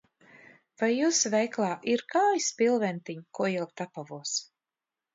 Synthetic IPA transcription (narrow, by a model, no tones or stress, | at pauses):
vajːusvɛjklˠaːʔiɾkaːjspilˠvɛnt̪iɲkuɔjɛlˠkt̪apavuɔs